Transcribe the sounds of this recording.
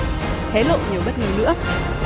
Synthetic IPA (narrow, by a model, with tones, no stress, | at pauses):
hʰe˨˦lo̰˧˨ɲi˨˩əwɓə˦˥t̚ŋi˨˦nɨ̰˧˥ə